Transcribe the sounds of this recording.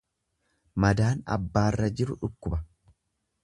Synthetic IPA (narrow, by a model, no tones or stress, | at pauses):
mɐd̪aːnɐ̰bːaːrːɐd͡ʒɪɾʊᶑʊkːʊbɐ